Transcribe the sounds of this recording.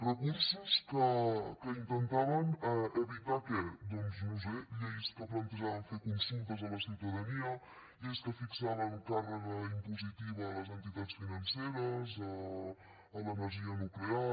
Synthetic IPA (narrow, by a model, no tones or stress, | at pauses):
rəkuɾsəskəkəint̪ənt̪aβəneβit̪akɛd̪ɔnznuzɛlejskəplant̪əʒaβənfekunsunt̪əzələsiwt̪əðaniə | eskəfiksaβənukarəɣəimpuzit̪iβːləzənt̪it̪at̪t͡sfinɐnseɾəzəː | ləməʒiənuklea